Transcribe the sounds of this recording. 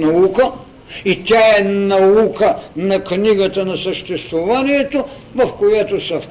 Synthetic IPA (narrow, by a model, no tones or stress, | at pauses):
nɐukə | it̪ʲaɛnɐukənɐkniɡət̪ɐnɐsəʃt̪ɛst̪vovaniɛt̪o | vɐfkojat̪osɐf